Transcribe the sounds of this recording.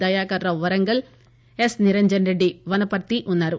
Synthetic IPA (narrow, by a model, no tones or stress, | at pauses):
ɐjaːkɐɾɾɐʋɐɾɐŋɡɐl | esniɾɐɲd͡ʒɐnɾeɖːiʋɐnɐpɐɾt̪iʔunːaːɾu